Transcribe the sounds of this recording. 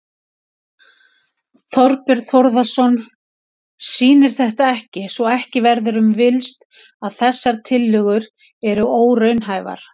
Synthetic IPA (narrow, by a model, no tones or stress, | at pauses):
θɔɾpɪɾ̥θɔɾðasɔn | siːnɪɾ̥θɛht̪aɛhcɪsɔɛhcɪvɛɾðʏɾʏmvɪlst̪̚ | aðθɛsːaɾ̥t̪ʰɪlːʏɣʏɾ | ɛɾʏʔoːwɾœɥnɦaːjva̰ɾ̥